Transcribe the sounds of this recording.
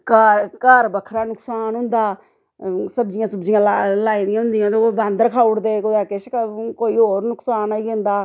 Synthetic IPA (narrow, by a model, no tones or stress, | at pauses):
kəkəɾbəkʰɾaːnʊksaːnɦʊ̃nd̪aː | səbd͡ʒɪjãːsəbd͡ʒɪjãːllaːiːd̪ɪjãːɦʊ̃nd̪ɪjãːt̪obãnd̪ɾəkʰaːʊɽd̪eːkʊd̪aːkɪʃkkoːiːɦoːɾnʊksaːnaːiːɦẽːnd̪aː